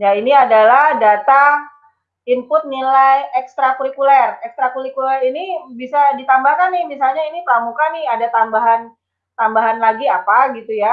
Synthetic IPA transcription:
jainiadalahdat̪a | impʊt̪̚nilajɛkst̪ɾakuɾikulɛrɛkst̪ɾakuɾikulɛrinibisadit̪ambahkanɪbisalɲainiplamukanɪadat̪ambaɦan | t̪ambaɦanlaɡiapaɡit̪uja

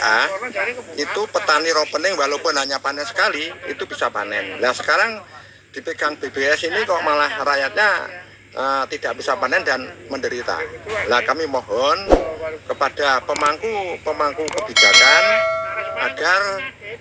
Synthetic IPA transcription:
ʔa | it̪upət̪aniɾopənɪŋwaɦlopʊnaɲapanɛnsə̥kaliḭt̪ub̥isapa̰nɛnlahsə̥kaɾaŋ | d̥ipikanb̥ebeɛsinikɔʔmalahrajat̪̚ɲa | ʔət̪id̥aʔb̥isapanɛndanməndəɾit̪a̰lakamimoɦɔnkəpad̥apəmaŋkupəmaŋkukəb̥id͡ʒ̥at̪anʔaɡ̥ar

